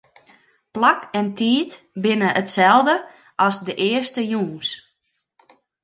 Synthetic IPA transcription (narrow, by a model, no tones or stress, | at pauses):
plakɛntiːt | bɪnəʔətsɛlˠdə | ʔɑsdəʔɪːərstəjuːns